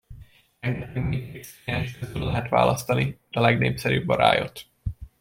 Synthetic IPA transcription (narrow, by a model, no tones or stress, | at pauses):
mɛɡnɛiit̪eksaːʃkøzøllɛɦɛt̪ʋa̰ːlʔɒst̪ɒnid̪̥ɛlɛɡneːpsɛɾyːbːɒɾa̰ːjo̞̰t̪